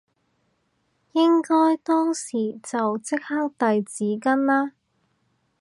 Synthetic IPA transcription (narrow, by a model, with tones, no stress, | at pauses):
jɪ˥ŋkɔː˥jt̪ɔː˥ŋsiː˨˩t͡sɐ˨wt͡sɪ˥k̚ha˥k̚t̪ɐ˨jt͡siː˨˥kɐ˥nlaː˥